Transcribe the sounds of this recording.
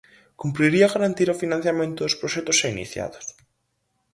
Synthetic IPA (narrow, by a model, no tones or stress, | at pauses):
kumpɾiɾiaɣaɾant̪iɾofinãn̟θjamẽnt̪ʊðʊspɾoʃɛt̪ʊsainḭθja̰ðʊs